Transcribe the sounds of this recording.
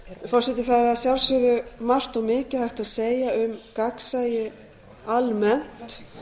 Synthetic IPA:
fɔrsɛt̪ɪθaɾaaðsjawlsʏðʏmar̥t̪ɔɣmɪːcɪhajht̪aðseːjaʏmkaksajɪ | almɛn̥t̪

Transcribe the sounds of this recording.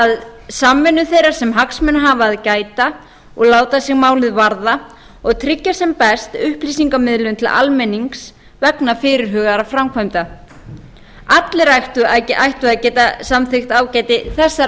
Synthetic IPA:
aðsamːɛnːʏθejɾḁsɛmɦaksmɛnɦaːvaːðcaːjt̪a | ɔɣlaːwt̪asɪɣmaːwlɪðvaɾða | ɔɣt̪ʰɾɪcːasɛmpɛst̪ʏhplisiŋkamɪðlʏnt̪ʰɪlʔa̰lmɛniŋks | vɛknafɪːɾɪɾ̥ɦœːɣaɾafɾamkʰvajmt̪a | at̪lɪɾajxt̪ʏajcɪʔajht̪ʏaðcɛːt̪asamθɪxt̪aːwcaːjt̪ɪθɛsːa

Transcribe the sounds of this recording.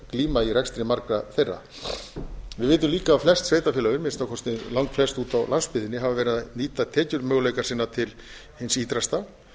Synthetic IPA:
kliːmairɛkst̪ɾɪmaɾkɾaθejrːa̰ | vɪðvɪːt̪ʏmliːkaflɛst̪sveːjt̪afjɛːlaɣʏmɪnst̪awkʰɔst̪nɪlawŋkflɛst̪uːt̪awlanspɪðɪnɪɦavavɛːɾɪðaniːt̪at̪ʰɛːcʏɾmjœːwleːjkḁsɪːnːat̪ʰɪl | hɪnsiːt̪ɾast̪a

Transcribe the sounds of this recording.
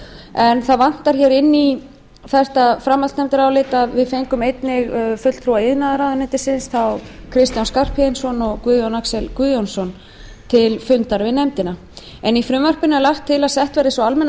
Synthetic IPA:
ɛnθaðvan̥t̪aɾ̥çɛɾɪnːi | θɛr̥t̪afɾamːalt̪nɛmt̪ɪɾaawlɪːt̪aðvɪðfejŋkʏmejt̪nɪɣfʏt̪l̥t̪ʰɾuaɪðnaðɾawðʏnɪnt̪ɪsɪnsθawkʰɾɪst̪janskar̥pʰɛɪnsɔnɔɣkuːðjɔnaksɛlkuðjɔnsɔn | t̪ʰɪlfʏnt̪aɾvɪnɛmt̪ɪna | ɛnifɾʏmvœr̥pɪnʏlaxt̪ʰːɪlaðsɛht̪vɛːɾɪsɔalmɛn

